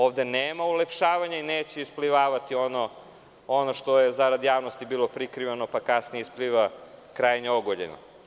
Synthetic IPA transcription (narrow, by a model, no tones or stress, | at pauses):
oːʋd̪e̞neːmaulepʃaːʋaɲaineːt͡ɕeispliʋaːʋat̪io̞no | onoʃt̪ojezaɾad̪jaːʋno̞st̪ibiːlˠo̞pɾikɾiʋeno̞pakasnijeispliʋakɾajeɲeoɡoʎḛno̰